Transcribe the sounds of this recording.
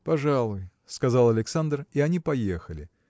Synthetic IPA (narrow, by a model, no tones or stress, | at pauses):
pɐʐalˠʊj | skɐzalˠɐlʲɪksand̪riɐnʲipɐjexəlʲɪ